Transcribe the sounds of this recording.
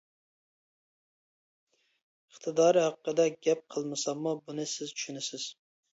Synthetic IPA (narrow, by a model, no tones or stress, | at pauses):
əχt̪ʰɨd̪ɑːɾɨhɑqːəd̪ɛɡʲɛp̚qʰəlˠmɨsɑmːubunɨsɪzt͡ʃʰy̥ʃynɪsɪz̥